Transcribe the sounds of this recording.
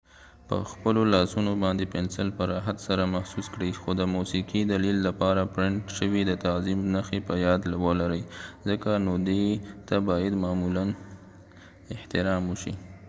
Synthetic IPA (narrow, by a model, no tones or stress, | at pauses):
pə̰xpəlolɑsunobɑnd̪epensɪlpəɾɑɦat̪saɾamahsuskɽəjxod̪əmusiqid̪alilːapɑɾapɾɪɳʈʃəwid̪ət̪azimnaxepəjɑd̪lawəlaɾəjzəkanod̪et̪abɑjad̪mɑmulan | ɪht̪ɪɾɑmuʃḭ